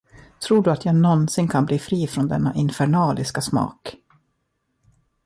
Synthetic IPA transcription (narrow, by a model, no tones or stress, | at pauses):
t̪ʰɾuːɖɵat̪jaːɡnɔnsɪnkʰanbliːfɾiːfɾɔnd̪ɛnːa̰ʔɪnfɛɳɑːlɪskasmɑ̰ːk